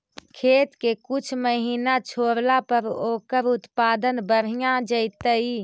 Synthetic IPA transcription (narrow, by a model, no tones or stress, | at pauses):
kʰeːt̪kekut͡ʃʰməɦiːnat͡ʃʰoɾlapəɾokəɾut̪pad̪ənbəɾ̤ijãd͡ʒəɪt̪əi